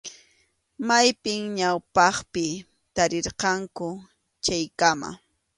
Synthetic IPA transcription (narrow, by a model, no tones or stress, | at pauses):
majpɪŋɲawpɑχpɪ | t̪aɾɪɾqɑŋkʊ | t͡ʃajkama̰